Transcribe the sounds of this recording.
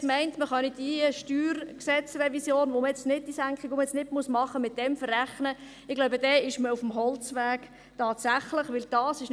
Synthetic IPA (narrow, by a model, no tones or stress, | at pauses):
mɛɪntməχœnid̥iʃtyːrksɛt͡srɛvisjoːnʋoməjɛt͡stnɪd̚d̥isæŋkχikʋoməjɛt͡snɪdmusmɑχəmɪt̚d̥ɛmfərːæχnə | ɪɡ̥laʊbəd̥ɛːɪʃməufm̩ɦɔlt͡sʋæːɡ | tɑːtsæχləχʋɪld̥ɑːsɪʃn